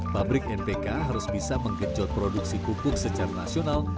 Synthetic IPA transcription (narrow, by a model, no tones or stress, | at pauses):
pabɾɪkɛnpekaɦaɾʊsbisaməŋɡəd͡ʒɔt̪̚pɾoduk̚sikupʊk̚səd͡ʒarnasional